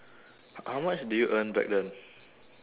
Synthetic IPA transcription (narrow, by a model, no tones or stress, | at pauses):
hhawmat͡ʃdujuʔə̃nbɛ̰k̚dɛ̃n